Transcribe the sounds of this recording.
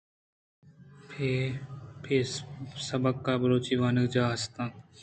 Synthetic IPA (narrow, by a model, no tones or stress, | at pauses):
pʰepʰɪsəbəkːaːbəɾoːt͡ʃiːʋaːnəkd͡ʒaːəst̪ãː